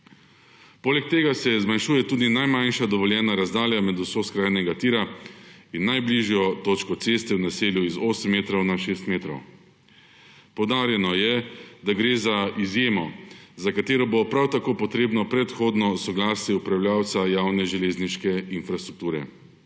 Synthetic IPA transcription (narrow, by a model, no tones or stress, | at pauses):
poːlɛk̚t̪eːɡasɛzmanʃuːjɛt̪uːd̪inajmanʃad̪ɔʋɔljɛːnaɾazd̪aːljamɛd̪usoskɾaːjnɛɡat̪iːɾainːajbliʒjɔt̪oːt͡ʃkɔt̪seːst̪ɛwnaseːljuizoːsəmːeːt̪ɾɔwnaʃeːst̪meːt̪ɾɔw | pɔwd̪aːɾjɛnɔjɛd̪aɡɾeːzaizjeːmɔzakat̪eːɾɔbopɾawt̪akoːpɔt̪ɾeːbnɔpɾɛt̪xoːd̪nɔsɔɡlaːsjɛupɾawljaːwt̪sajawnɛʒɛlezniʃkɛinfɾast̪ɾuk̚t̪uːɾɛ̰